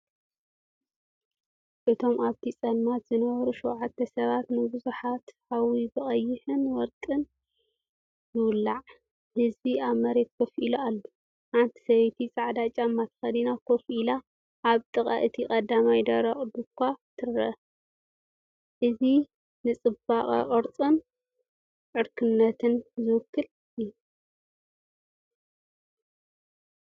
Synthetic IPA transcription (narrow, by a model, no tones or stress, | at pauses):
ʔɨt̪ʰo̞mʔaβt̪ʰit͡sʼɐnmat̪z̥ɨnɐβɐɾuʃɔwʕat̪ʰːɐsɐβat̪nɨbɨzuħat̪ħawibɨχʼɐjːɪħɨnwɔɾt̪ʼɨn | jɨwʊlːaʕ | hɨzbiaβmɐɾe̞t̪̚kʰɐfʔilʔalːo | ħant̪ʰi̥sɐjt̪ʰit͡sʼaʕd̪at͡ʃʼamːat̪ʰɐ̥xɐd̪inakʰɐfʔila | ʔaβt̪ʼɨqʼɐ̰ʔɨt̪ʰikʼɐd̪amajd̪ɐɾɐχʼd̪ɨkʰʷːat̪ʰɨɾɐ̰ʔ | ʔɨzi | nɨt͡sʼɨbaχʼɐ̰qʼɔɾt͡sʼɨn | ʕɨɾkʰɨnːɐt̪ʰɨnzɨwʊkːɨl | ɨu